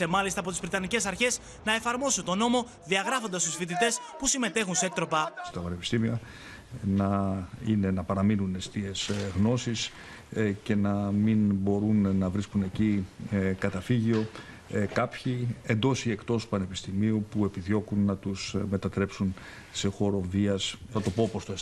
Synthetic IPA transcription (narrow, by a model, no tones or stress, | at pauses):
emɐlist̪ɐːpo̞t̪izvɾit̪ɐnice̞sɐɾçe̞s | nɐe̞fɐɾmo̞sunt̪o̞no̞mo̞ | ðiɐɣɾɐfo̞nd̪ɐst̪usfit̪̬it̪e̞spusime̞t̪e̞xunsek̚t̪ɾo̞pɐst̪ɐpɐne̞pist̪imiɐ | nɐine̞nɐpɐɾɐminune̞st̪ie̞zɣno̞sis | ce̞nɐminbo̞ɾunːɐvɾiskune̞cikɐt̪ɐfiʝio̞ | kɐpçie̞nd̪o̞sie̞kt̪o̞spɐne̞pist̪imiupue̞piðjo̞kunːɐt̪usme̞t̪ɐt̪ɾe̞psun | se̞xo̞ɾo̞viɐsnɐt̪o̞po̞post̪oes